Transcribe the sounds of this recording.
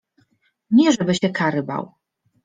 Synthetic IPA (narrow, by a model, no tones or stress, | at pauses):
ɲɛʐɛbɘɕɛkaɾɘba̰w